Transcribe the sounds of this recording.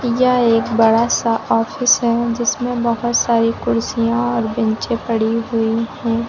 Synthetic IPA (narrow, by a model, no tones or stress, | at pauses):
jɐeːkbɐɽasaʔɔːfɪsɦɛd͡ʒɪsmẽbɐɦʊt̪saːɾikʊɾsijãɔːɾbɪ̃nt͡ʃẽpɐɽiɦʊihɛ̃ː